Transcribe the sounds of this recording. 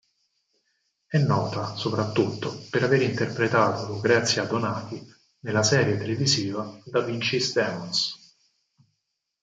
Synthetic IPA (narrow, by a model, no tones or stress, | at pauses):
ɛnːɔːt̪asopɾat̪ːut̪ːopeɾaveɾint̪erpɾet̪aːt̪oloɡɾɛt̪sjad̪onaːt̪i | nelːasɛːɾjet̪eleviziːvad̪avint͡ʃist̪ɛːɔns